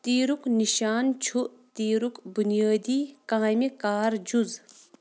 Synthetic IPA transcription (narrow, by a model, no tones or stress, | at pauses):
t̪iːɾukniʃaːnt͡ʃʰuʔt̪iːɾukbunijaːd̪iːkaːjmikaːɾd͡ʒuz